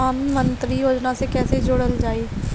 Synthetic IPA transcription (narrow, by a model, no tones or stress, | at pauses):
aːnmə̃nt̪ɾijoːd͡ʒnasekɛːsed͡ʒoːɽəld͡ʒaːi